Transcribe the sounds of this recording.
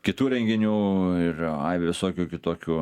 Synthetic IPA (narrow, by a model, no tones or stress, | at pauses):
kʲɪt̪uːɾʲɛŋʲɡʲɪnʲuːɪrɐ̰ɪʋʲʋʲɪsoːkʲuːkʲɪt̪oːkʲuː